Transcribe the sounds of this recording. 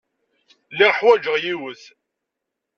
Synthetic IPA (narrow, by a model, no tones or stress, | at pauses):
lːiʁħwæd͡ʒəʁjiwəθ